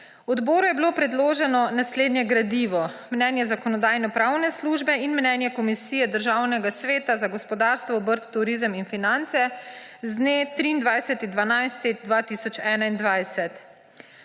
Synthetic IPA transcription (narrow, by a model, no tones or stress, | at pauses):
wɔd̪bɔːɾujɛbiloːpɾɛd̪loːʒɛnɔnasleːd̪njɛɡɾad̪iʋɔ | mnɛnjɛzakɔnɔd̪aːjnɔpɾaːwnɛsluːʒbɛinmnɛnjɛkɔmisiːjɛd̪əɾʒawnɛɡasʋeːt̪azaɡɔspɔd̪aːɾst̪ʋɔɔbəɾt̪ːuɾizəminfinant̪sɛzd̪net̪ɾiːnd̪ʋajsɛt̪ind̪ʋanajst̪id̪ʋat̪isɔt͡ʃɛːnaind̪ʋajsɛt̪